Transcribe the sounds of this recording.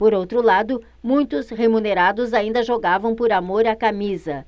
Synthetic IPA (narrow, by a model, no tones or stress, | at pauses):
poɾowt̪ɾʊlad̪ʊ | mũj̃t̪ʊshemũneɾad̪ʊzaĩnd̪ɐʒoɡavɐ̃w̃poɾamoɾakamizɐ